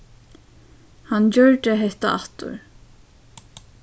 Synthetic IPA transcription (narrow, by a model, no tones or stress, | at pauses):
hant͡ɕœɹʈ̪əɦɛht̪aaht̪ʊ̰ɾ